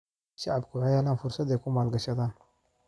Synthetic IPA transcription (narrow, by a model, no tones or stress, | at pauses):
ʃaʕabkʰʊʕajaːlaːnfʊɾsɐd̪ɛjkʊmaːlɡɐʃɐd̪aːn